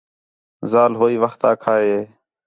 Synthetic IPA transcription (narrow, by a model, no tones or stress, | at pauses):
zaːlɦoːiːʋəxt̪aːkʰaːɦeː